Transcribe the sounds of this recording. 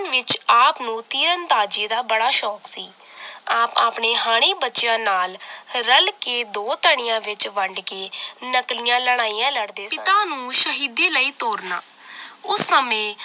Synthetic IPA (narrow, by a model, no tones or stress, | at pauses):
nʋɪt͡ʃaːpnũːt̪iːɾənt̪aːd͡ʒiːd̪aːbəɽaːʃɔːksḭː | aːpaːpɳeːɦaːɽ̃eːbətːʃjãːnaːlɾəlkeːd̪oːt̪əɳɪjãːʋɪt͡ʃʋəɳɖkeːnəklijãːləɽ̃aːiːãːləɽd̪eːɪt̪ãːnũːʃəɦiːd̪eːləiːt̪oːɾnaː | ʊsːəmẽː